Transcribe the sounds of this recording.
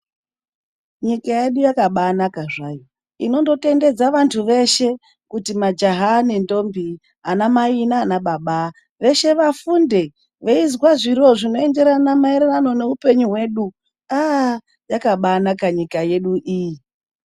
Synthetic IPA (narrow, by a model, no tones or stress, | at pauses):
ɲikaje̞ɗujakaɓanakaʐajo | ḭno̞ndo̞te̞nde̞d͡zaʋantʰuʋe̞ʃe̞ | kutimad͡ʒaɦanendo̞mbʱi | anamainaːnaɓaɓa | ʋe̞ʃe̞ʋafunde̞ | ʋeizwaʐiɾo̞ʐino̞e̞nde̞ɾanamaeɾerano̞ne̞upe̞ɲuɦwe̞ɗu | a | jakaɓaːnakaɲikaje̞ɗuʔiji